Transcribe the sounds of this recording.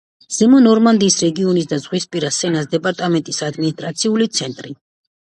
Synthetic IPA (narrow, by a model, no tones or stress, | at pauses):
z̥ɛmɔnɔɾmand̪iːsɾɛɡiɔnis̬d̪azʁwispʼiɾasɛnasd̪ɛpʼaɾt̪ʼamɛnt̪ʼisad̪minist̪ʼɾat̪sʰiulit̪sʰɛnt̪ʼɾi